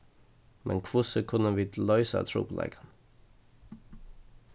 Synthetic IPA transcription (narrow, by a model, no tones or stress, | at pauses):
mʔɛ̰nkʰʋʊsəkʰʉnəʋɪːd̪lœʏsə̰t̪ʰɾṵːpʰlɛ̰ɪɡən